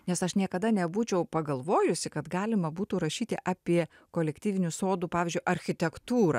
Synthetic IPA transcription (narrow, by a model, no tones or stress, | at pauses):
nʲɛsɐʃnʲiɛkɐd̪ɐnʲɛbuːt͡ʃʲɛʊpɐɡɐlˠʋoːjʊsʲɪkɐt̪ɡɑːlʲɪmɐbuːt̪uːɾɐʃʲiːt̪ʲɪʔɑːpʲiɛ | koːlʲɛkt̪ʲiːʋʲɪnʲusoːd̪uːpɑːʋʲːzʲd͡ʒʲʊɪʔɐɾʲxʲɪt̪ʲɛkt̪uːɾɐ̰